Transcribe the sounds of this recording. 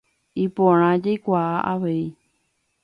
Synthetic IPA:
ipõɾ̃ãd͡ʒajkʷaaʔaʋe̞i

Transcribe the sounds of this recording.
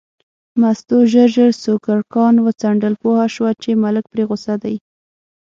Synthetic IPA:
mast̪oʒəɾʒəɾsokaɽkɑnwət͡saɳɖəlpohaʃwat͡ʃemalək̚pɾeɣʊsad̪aj

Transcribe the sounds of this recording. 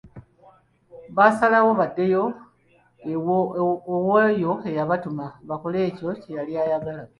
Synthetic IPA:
βasalawo̞βadːe̞jo | wojo̞e̞jaβatumaβako̞le̞ːco̞ce̞jaliajaɡala

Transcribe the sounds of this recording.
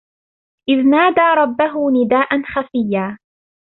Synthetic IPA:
ʔɪðnaːd̪aːɾˤɑbːaɦʊnɪd̪aːʔanxafɪjːaː

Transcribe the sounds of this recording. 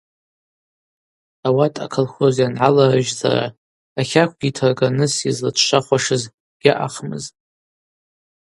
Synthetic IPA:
awatʼʰa̰kʰolχozianʕalarɨʒza̰ɾa̰ː | χʲakʷʰɡʲitʰarɡanɨsizlatʰʃaχʷaʂɨz | ɡ̥ʲaʔaχmɨ̰z

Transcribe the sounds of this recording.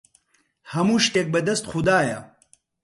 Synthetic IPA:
hɐmuʃʈek̚bɐd̪ɐst̪χxud̪aːjɐ̰

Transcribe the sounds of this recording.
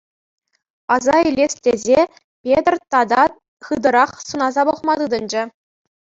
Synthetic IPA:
ɑzɑilʲesʲtʲezʲe | pʲet̪rʲt̪ɑd̪ɑ | χɯd̪ɤ̆ɾɑχsunɑzɑbŏχmɑt̪ɯd̪ɤ̆nd͡ʑɘ̆

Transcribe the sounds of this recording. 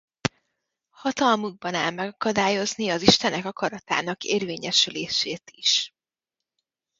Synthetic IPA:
hɒt̪ɒlmuɡ̚bɒnaːlmɛɡɒkɒd̪aːjo̞zniɒziʃt̪ɛnɛkɒkɒɾɒt̪a̰ːnɒkḛːrveːɲɛʃyleːʃeːt̪iʃ

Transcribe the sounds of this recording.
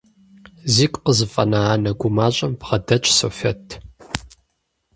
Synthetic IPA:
ziːkʷʼqəzɨfʼɐnaaːnɐɡʷʊmaːɕʼɐmbʁɐdɐt͡ʃʼsoːfɐtʰ

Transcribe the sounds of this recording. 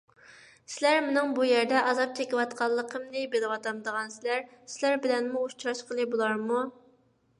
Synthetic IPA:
sɪlæɾmɪnɪŋbujɛɾd̪ɛʔɑzɑp̚t͡ʃʰekʲiwɑt̪qʰɑlˠːəqʰəmnɪbelˠɪwɑt̪ɑmd̪əʁɑnsɪlæɾsɪlæɾbɪlɛnmuuʃt͡ʃʰɾɑʃqʰəlˠɨbulˠɑɾmu

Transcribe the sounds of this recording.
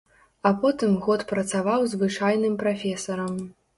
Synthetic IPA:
ɐpɔt̪ɨmɣɔt̪pɾɐt̪savawzvɨt͡ʂajnɨmpɾafʲɛsɐɾɐm

